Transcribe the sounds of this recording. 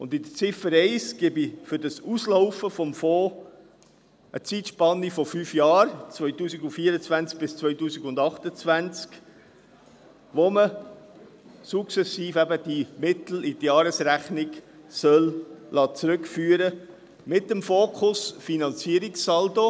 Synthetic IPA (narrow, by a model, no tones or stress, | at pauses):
ʊndid̪ət͡sɪfəɾɛɪsɡ̥ɪbifʏɾdɑsusloʊfəfɔmfɔː | ʔə̰t͡siːtʃpɑnːifɔfyːfjɑːɾt͡svœʏtuːsiɡʊnfiːəɾət͡svænt͡sk̚b̥ɪst͡sʋœʏtuːsiɡʊ̃ndɑχtət͡svænt͡sk | ʋomə | suksɛsiːfɛbəd̥imɪt̪l̩itjɑːɾəsɾæχnɪksœllʔɑːt͡sɾʉkfyːəɾə | mɪtːəmfoːkχʊsfinɑnt͡siəɾiksːɑldo